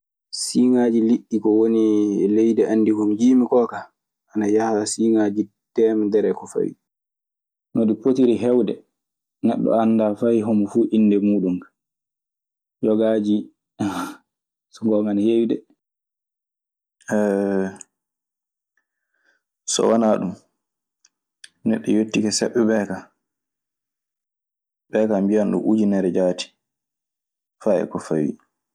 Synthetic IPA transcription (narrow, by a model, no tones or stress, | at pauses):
siŋad͡ʒiliʔːikɔwonilejdɛʔanːdihumd͡ʒiːmikɔːka | ʔanajahasiːŋad͡ʒi | d̥ɛmdɛɾɛkɔfa̰wi | nɔdipotiɾiɦɛwdɛ | nɛ̰ɗːɔ̰anːdaːfajɦɔmfuːʔinːdɛmuːɗum | jɔɡad͡ʒi | sɔŋɡɔmanhewiɗɛ | ɛ | sɔ̰wanaɗum | nɛɗːɔjotːikɛsɛɓːɛɓɛka | ɓɛkambijanɗṵmʔud͡ʒinɛɾɛd͡ʒaːti̥ | faɛ̰kɔfawḭ